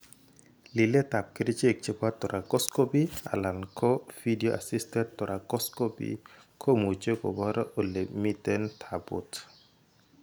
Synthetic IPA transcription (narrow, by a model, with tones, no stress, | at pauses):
li˨le˦ta˨p̚kiɾi˦t͡ʃe˦˨k̚t͡ʃe˦kwa˦tɔ˨ɾʔa˨kɔ˦sko˦pi˦a̰˨la˨nkʰɔ˦fidioʔa̰˨sistɛ˦ttɔ˨ɾʔa˨kɔ˦skɔpḭkʰo˦mu˨t͡ʃe˦kɔ̰˨bɔ˦ɾɔ˦ʔo˨le˨mi˦tɛntʰabʊ̰t